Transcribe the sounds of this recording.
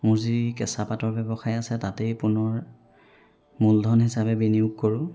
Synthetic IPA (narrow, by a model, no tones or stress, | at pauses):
mʊɹzidkɛsapatɔɹbɛbɔxajasɛtatɛjpʊnɔɹ | muldʱɔnɦisapɛbiniuɡ̚koɹʊ̃